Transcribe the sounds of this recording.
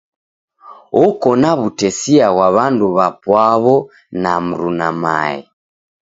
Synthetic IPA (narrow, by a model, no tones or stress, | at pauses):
ɔkɔnaβutɛsiaɣwaβanduβapwaβɔ | nam̩ɾunama̰ɛ̰